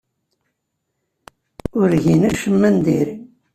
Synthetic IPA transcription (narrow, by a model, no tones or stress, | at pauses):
ʊɾʝinæʃəmːænd̪iɾi